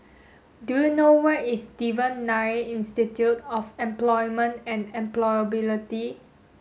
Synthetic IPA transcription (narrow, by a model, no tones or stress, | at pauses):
dujunowɛtistivə̃nːaeĩnstitjutɔfɛ̃mplɔjmə̃nɛ̃nɛ̃mplɔjəbiliti